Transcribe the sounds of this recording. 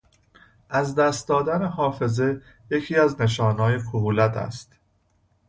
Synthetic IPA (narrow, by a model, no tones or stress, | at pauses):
ʔæzd̪æːst̪̚d̪ɒːd̪æne̞ɦɒːfe̞ze̞ | je̞cʰiːæzne̞ʃɒːnɒːjekʰoɦuːlæt̪ʰæ̰st̪